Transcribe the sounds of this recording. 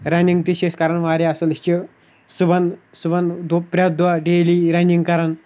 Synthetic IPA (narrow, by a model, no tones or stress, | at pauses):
ɾaniŋɡt̪iɕeskaɾəɳʋaɾeasəlt͡ʃe | subansuband̪pɾad̪ʋaɖeliɾaniŋɡkaɾən